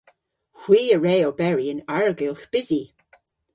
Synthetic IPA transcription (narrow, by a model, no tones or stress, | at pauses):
hwiːəɹeːobɛɹiənaɹəɡɪlˠxb̥ɪzi